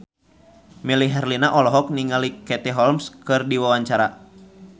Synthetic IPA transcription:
miliɦɛrlinaʔɔlɔɦɔk̚niŋalikɛt̪ɛɦɔlmskɨrdiwawaɲt͡ʃaɾa

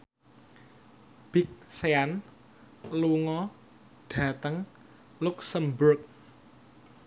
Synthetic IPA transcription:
b̥ɪk̚sean | luŋɔ | ɖ̥ä̤t̪əŋ | lʊksəmbʊrk̚

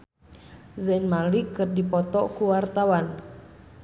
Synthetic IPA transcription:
zɛnmalikɨrdipɔt̪ɔkuwart̪awan

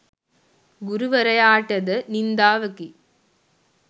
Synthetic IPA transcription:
ɡʊɾɯʋɐɾɐjaːʈːɐðɐnɪnd̪aːʋɐkːi

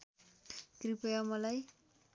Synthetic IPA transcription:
kripʌjamʌlaj

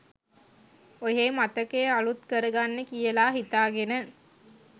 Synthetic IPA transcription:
ojeːmat̪əkeːalut̪kəɾəɡanːekijəlaːɦit̪aːɡenə

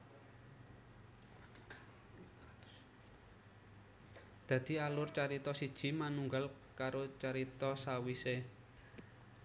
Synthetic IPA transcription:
d̪̥ä̤d̪̥i̤alʊrt͡ʃaɾit̪ɔsid̥ʒ̥i̤manuŋɡal | kaɾot͡ʃaɾit̪ɔsawise

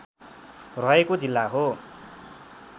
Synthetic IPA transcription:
rʌɦekod͡zilːaɦo

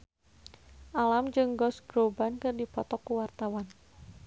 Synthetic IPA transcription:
ʔalamd͡ʒɨŋɡɔsɡ̥ɾobankɨrdipɔt̪ɔkːuwart̪awan

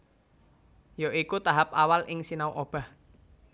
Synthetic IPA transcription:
joʔikut̪aɦap̚awalʔɪŋsinauʔob̥a̤h

